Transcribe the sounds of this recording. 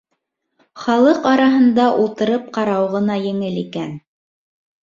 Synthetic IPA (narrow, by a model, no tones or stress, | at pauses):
χɑlˠɤqɑɾɑɦɤ̆nd̪ɑʔulˠt̪ɤ̆ɾɤp̚qɑɾɑwʁɤ̆nɑjɘ̆ŋɘlikæn